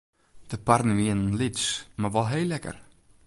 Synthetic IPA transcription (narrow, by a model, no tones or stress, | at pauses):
d̥əpardəʋiənənlitsmarʋɔlˠɦeːlɛkə̰r